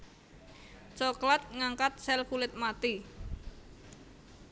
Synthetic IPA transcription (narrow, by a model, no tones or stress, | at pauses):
t͡ʃɔklat̪̚ŋaŋkat̪̚sɛlkulɪt̪̚mat̪i